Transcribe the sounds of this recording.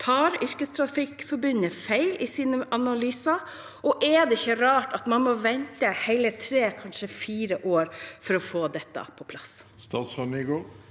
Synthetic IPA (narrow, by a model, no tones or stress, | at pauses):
t̪ʰɑːɾʏɾkəst̪ʰɾɑfɪkfɔɾbʉnəfæɪlɪsiːnəʔɑnɑlyːsɑ | ʔɔʔɛd̪ɛɪçəɾɑːʈɑt̪mɑnmɔʋɛnt̪əhæɪlət̪ʰɾeːkʰɑnʂəfiːɾəʔoːɾfɔɾɔfoːd̪ɛt̪ːɑ̰pʰɔpʰlɑsst̪ɑːt̪sfɑmiɡoː